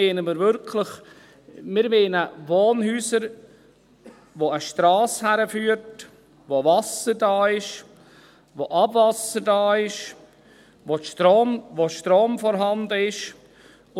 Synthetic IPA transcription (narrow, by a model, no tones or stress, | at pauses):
eːnəmɪɾvʏɾkʰləχ | mɪɾmeːnəvoːnhyːsəɾ | ʋoəʃtɾɑːshæɾəfyːəɾt | ʋovɑsəɾdɑːɪʃ | ʋoʔɑbvɑsəɾdɑːɪʃ | ʋoʃtɾoːmvoʃtɾoːmfɔɾɦɑndəɪʃ